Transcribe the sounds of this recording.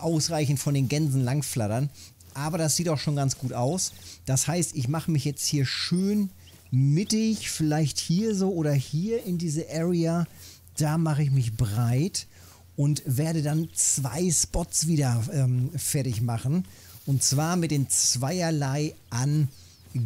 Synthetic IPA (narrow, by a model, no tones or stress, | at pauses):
ʔaʊsʁaɪçn̩tfɔndeːnɡɛnzn̩laŋflatɐn | ʔaːbɐdasz̥iːtaʊxʃoːnɡant͡sɡ̥uːtaʊsd̥ashaɪstɪçmaχəmɪçjɛt͡sthiːɐʃøːn | mɪtɪçfɪlaɪçthiːɐzoːʔoːdɐhiːɐɪndiːzəʔɛːʁia | d̥aːmaχəɪç̬mɪçbʁaɪt | ʔʊntveːɐɾədant͡sv̥a̰ɪspɔtsv̥iːdɐʔɛːmfɛɐtɪçmaχn̩ | ʔʊntt͡sv̥aːɐmɪt̚d̥eːmt͡sv̥aɪɐlaɪʔan